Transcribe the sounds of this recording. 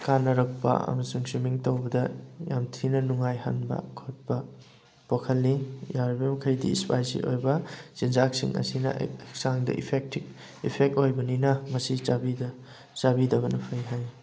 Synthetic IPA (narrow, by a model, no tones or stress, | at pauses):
kanːɐɾɐk̚pɐ̰ɐ̰mɐsuŋsimiŋtowbɐdɐjamtʰinɐnuŋajha̰nbɐ̰kʰot̚pɐ | pokʰɐlːijaɾbemɐkʰɐjdḭːspajsḭʔo̰jbɐsinzak̚siŋɐ̰sinɐ̰k̚saŋdɐ̰ipʰek̚ti | ipʰek̚tojbɐninɐmɐsit͡ʃabidɐ | t͡ʃabidɐbɐnɐpʰɐjɦaj